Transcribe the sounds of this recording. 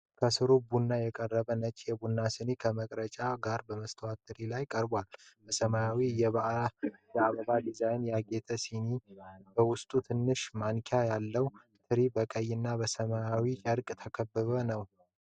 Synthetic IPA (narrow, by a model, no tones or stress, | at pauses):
kʰəsɨɾubunːajɛkʼərːəβənət͡ʃʼjɛbunːasɨnekʰəməkʼɾət͡ʃʼaɡaɾbəməst̪ʰəwat̪ʰːɨɾilajkʼəɾbalbəsəmajawijɛβ | jɛaβəβad̪izajnjaɡet̪ʰəsinibəwʊst̪ʼut̪ʰɨnːɨʃmankʰjajalːəw | t̪ʰɨɾibəkʼəjːɪnːabəsəmajawit͡ʃʼəɾkʼt̪ʰəkʰəbːɨβənəw